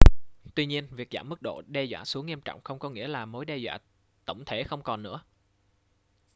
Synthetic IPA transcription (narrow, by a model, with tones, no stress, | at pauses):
t̪wi˧ɲi˧ənvi˨˩ək̚za̰ː˧˩mːɨ˦˥k̚ɗo̰˧˨ɗɛ˧zwaː˧˨su˨˦əŋːi˧əmt͡ɕɔ̰˧˨wŋ͡mxə˧wŋ͡mkɔ˨˦ŋḭ˧˥əlaː˨˩mo˨˦jɗɛ˧zwa̰ː˧˨ | t̪ə̰˧˩wŋ͡mt̪ʰe˧˦xə˧wŋ͡mkɔ˨˩nːɨ̰˧˥ə